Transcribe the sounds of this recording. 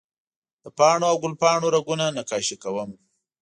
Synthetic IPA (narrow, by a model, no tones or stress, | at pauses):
d̪̥əpɑːɳoawɡʊlpɑɳoɾaɡunanakɑʃikawəm